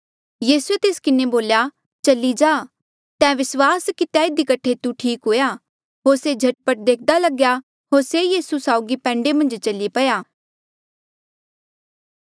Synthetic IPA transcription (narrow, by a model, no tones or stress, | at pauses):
jiːsuet̪eːskɪneboːlja | t͡ʃɐlid͡ʒaː | t̪ɛ̃ːʋɪswaːskɪt̪jaɪd̪ikəʈʰet̪ũʈʰiːkɦoːjaː | ɦoːɾsed͡ʒʱɐʈ̚pəʈ̚d̪eːk̚ʰd̪alɐɡja | ɦoːɾsejiːsusaːʊɡipɛ̃ːɳɖemɐ̃nd͡ʒt͡ʃɐlipɐjaː